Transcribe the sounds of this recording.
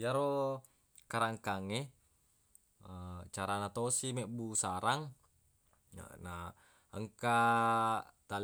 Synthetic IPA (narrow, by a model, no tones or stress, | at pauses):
jaɾo | kaɾaŋkaŋe | ət͡ʃaɾanat̪osimɛʔbusaɾaŋ | na | əŋka | t̪al